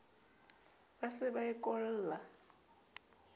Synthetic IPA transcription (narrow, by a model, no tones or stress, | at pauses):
basɪβaɛkʼɔl̩ːla